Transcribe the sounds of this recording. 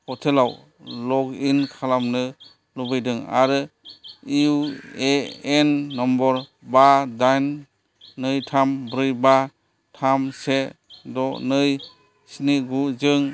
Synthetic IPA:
kʰɔtʰelaw | lɔɡinkʰalamnɯ | lɔbɯjdɯŋa̰ɾɯ | ieenːɔmbɔɾ | badajnː | ɯjtʰambɾɯjba | tʰamsedɔnɯj | siniɡuzɯŋ

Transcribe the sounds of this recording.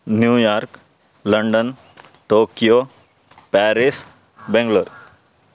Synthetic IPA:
njuːjaːɾk | lɐɳɖən | ʈoːkijo | pɛːɾis | bɛ̃ŋɡləɾ

